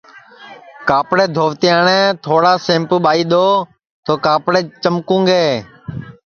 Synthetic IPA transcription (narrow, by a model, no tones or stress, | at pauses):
kaːpɽeːd̪ʱoːʋt̪ɪjãːɳɛ̃ːt̪ʰoːɽaːsẽːmpɓaːiːɗ̪oː | t̪oːkaːpɽeːt͡ʃəmkũːŋɡeː